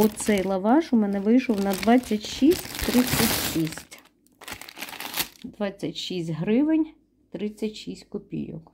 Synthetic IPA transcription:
ɔsɛjlˠɐʋɑʒʊmɛnɛʋɪjʃɔwnɐd̪ʋɑt͡sʲːɐtʲʃisʲtʲt̪ɾɪt͡sʲːɐtʲʃisʲtʲ | d̪ʋɑt͡sʲːɐtʲʃisʲtʲɦɾɪʋɪnʲ | t̪ɾɪt͡sʲːɐtʲʃisʲtʲkɔpʲḭjʊ̰k

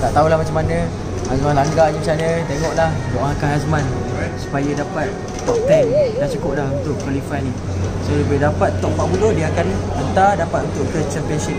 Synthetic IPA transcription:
t̪aʔt̪aɦulahmat͡ʃamanə̃ | hasmanlaŋɡaɲəmat͡ʃanə̃t̪eŋɔʔlahdoʔãŋkanɦasmãn | su̥pajadapat̪̚ː | ɔp̚t̪ɛŋdaht͡ʃukʊp̚laɦunt̪ʊʔkwalifajni | soləbɪhdapat̪ːɔʔ̚baʔbulohdiakanant̪adapat̪̚unt̪ʊʔkəsəklesən

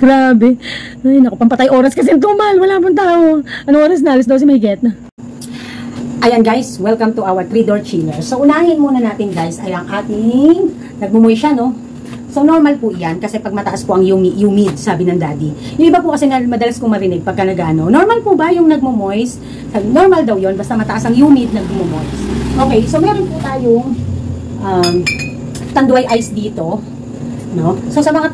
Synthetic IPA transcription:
ɡ̥ɾaːbɛajnɐkopɐmpɐt̪ajʔo̞ːɾɐskɐs̬ɛnt̪umɐlwɐlaːpɐŋt̪aːʔoʔɐnoŋʔoɾɐs̬nɐʔɐlɐs̬d̪os̬ɛmɐhɪɡɛt̪nɐ | ʔɐjanɡajswɛlkɐmt̪ʊʔawɐt̪ɾid̪oɹt͡ʃilɛɹsoʔʊnaːhɪnmuːnɐnaːt̪ɪnɡajsɐjɐŋʔaːt̪ɪŋ | nɐɡ̚mʊmojʃano̞ | sonoɹmɐlpʊʔjankɐsɛpɐɡ̚mɐt̪ɐʔaspoʔɐŋjʊmiʔjʊmid̪̚saːbɪnɐŋd̪aːd̪ijʊŋʔɪbapʊkɐsɛŋɐmɐd̪ɐlɐskʊŋmɐɾɪnɪɡ̚pɐɡ̚kːɐnɐɡʔaʔno̞no̞ɹmɐlpubɐjʊŋnɐɡ̚momojs | pɐno̞ɹmɐld̪ɐwjo̞nbɐst̪amɐt̪ɐʔasɐŋjuːmɪd̪̚nɐŋbʊmomojsʔoːkɛjso̞mɛːɾo̞npʊt̪aːjoŋ | ʔam | t̪ɐnd̪ʊʔɐjʔajsd̪iːt̪o̞ | no̞so̞sɐmɐŋa

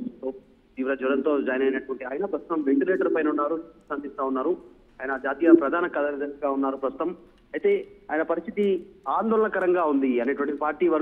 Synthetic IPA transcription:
oː | t̪iːʋiɾɐd͡ʒʋɐɾɐnt̪o̞ːd͡ʒaːjɐnɐjnɐʈuʋɐɳʈiaːjɐnɐpɾɐst̪u̥t̪ɐmʋe̞ɳʈileːʈɐɾpɐjnunːaːɾut̪ɐnd̪ist̪aːunːaːɾu | aːjɐnɐd͡ʒaːt̪iːjapɾɐd̪ʱaːnɐkɐd̪ɐnd̪ɐɡaːunːaːɾupɾɐst̪u̥t̪ɐm | ɐjt̪e̞ːaːjɐnɐpɐɾist̪ʰit̪iaːnd̪oːlɐɳɐkɐɾɐŋɡaːund̪iɐneːʈuʋɐɳʈ̪ipaːɾʈiːʋɐɾ

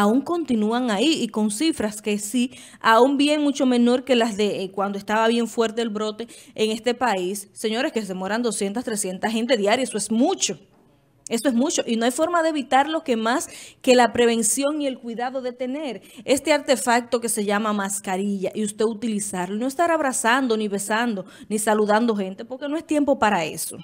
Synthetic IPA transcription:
auŋko̞nt̪inuaŋaiːko̞nsifɾaskesi | aumbjeŋmut͡ʃo̞mẽ̞no̞ɾke̞lazðe̞kwand̪oest̪aβaβjeɱfwe̞ɾt̪e̞elβɾo̞t̪e̞eŋe̞st̪e̞paisːe̞ɲo̞ɾe̞ske̞semwoɾand̪o̞sje̞nt̪ast̪ɾe̞sje̞nt̪aɦe̞nt̪̬e̞ðjaɾjaesoesmut͡ʃo̞ | e̞soe̞smut͡ʃo̞ʔinoajfo̞ɾmaðeeβit̪aɾlo̞ke̞maske̞lapɾe̞βe̞nsjo̞ŋie̞lkwiðaðo̞ðe̞t̪e̞ne̞ɾe̞st̪e̞aɾt̪e̞fak̚t̪o̞ke̞se̞ʝamamaskaɾiʝaʔiust̪e̞ut̪ilisaɾloino̞est̪aɾaβɾasand̪o̞niβe̞sand̪o̞nisaluðand̪o̞xe̞nt̪e̞po̞ɾke̞no̞e̞st̪je̞mpo̞paɾae̞̰so̞̰

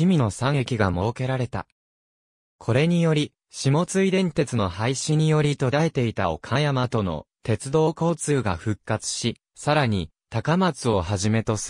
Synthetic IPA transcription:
imʲino̞sãŋe̞kʲiɡamo̞ːke̞ɾaɾe̞t̪a̰ | kʰo̞ɾe̞ɲ̟ijo̞ɾʲi | ɕimo̞t͡sɨid̪ẽ̞nt̪e̞t͡sɨno̞haiɕiɲ̟ijo̞ɾʲit̪o̞d̪ae̞t̪e̞it̪ao̞̰kʰajamat̪o̞no̞̰t̪e̞t͡sɨd̪o̞ːko̞ːt͡sɨːɡa̰ɸɯ̟kːat͡sɨ̥ɕi | saɾaɲ̟it̪akamat͡sɨo̞ɦaʑime̞t̪o̞sɨ

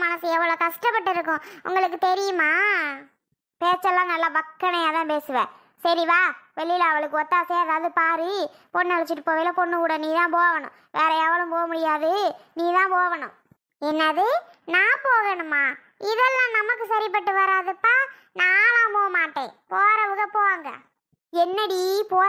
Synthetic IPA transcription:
mɐnɐsɛʋːɐɭoːkɐʂʈɐpːɐʈːɪɾɯk̬ːʊ̃ʔʊ̰ŋɡɐɭɯk̬ːɯt̪ɛɾɪjɯmaː | peːt͡ʃːɐlːãːnɐlːaːbɐkːɐɳɐjaːt̪ãːpeːsɯʋẽː | sɐɾiʋaːʋɛɭːɪlɐɐʋɐɭɯk̬ːɯɔt̪ːaːseːɐðaːʋɐðɯpaːɾɯ | pɔɳnɐɭɐt͡ʃːɪʈːɯpoːʋɐːlɐpɔɳːɯkuːɽɐniːt̪ãːpoːɐʋɐɳʊ̰̃ | ʋeːɾɐɐʋɐlɯ̃mpoːʋɐmʊɽɪjaːðɯniːt̪ãːpoːʋɐɳʊ̰̃ | ɛnːɐðɯ | naːpoːɣɐɳɯmːaː | ɪðɛlːãːnɐmɐkːɯsɐɾɪp̬ɐʈːɯʋɐɾaːðɯpːaː | nãːlãːpoːɐmaːʈːḛ̃ːpoːɾɐʋɯɣɐpoːʋaːŋɡɐ̰ | ɛnːɐɽipoː

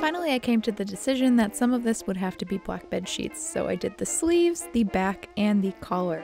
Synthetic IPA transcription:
fãɪ̃nl̩ˠiaɪkʰẽɪ̃mtʰɨðɨdɨsɪʒɨ̃nðɨtsʌ̃mʌvðɪswəd̚ɦæftɨbiblæ̰k̚b̥ɛd̥ʃḭtsoʊʔa̰ɪdɨd̪̚ðɨslivz̥ðɨbækɨ̃nðɨkʰɑlˠə˞

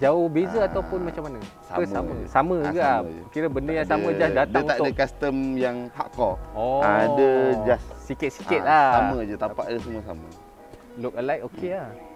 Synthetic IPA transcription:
d͡ʒaʊhbezəat̪awpʊnmat͡ʃamːanə | sa̰əmsamə̃samə̃ɡad͡ʒə̰kiɾəbəndəjaŋsamə̃d͡ʒasdat̪d̪aəŋuaadəkast̪əmjaŋha̰ʔkɔɔadəd͡ʒassikɪt̪̚si̥kɪt̪̚lasaməd͡ʒət̪apaʔdəsamuəsa̰mə | lʊk̚əlajk̚okʰea

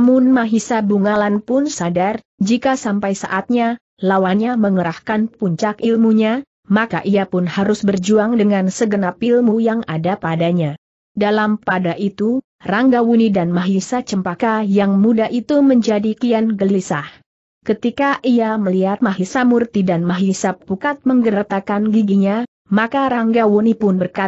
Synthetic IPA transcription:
mʊnmaɦisabuŋalanpʊnsadar | d͡ʒikasampajsa̰ʔat̪̚ɲa | lawaɲaməŋəɾahkanpuɲt͡ʃakʔilmuɲa | maka̰ʔiapʊnhaɾʊsbərd͡ʒuaŋdəŋansəɡənapilmujaŋadapadaɲa | dalampadaʔit̪u | raŋɡawunidanmaɦisat͡ʃəmpakajaŋmudaʔit̪uməɲd͡ʒadikianɡəlisah | kət̪ikaʔiaməliɦat̪̚maɦisamurt̪idanmaɦisap̚bukat̪̚məŋɡəɾt̪akanɡiɡiɲa | makaɾaŋɡawunipʊnbərka

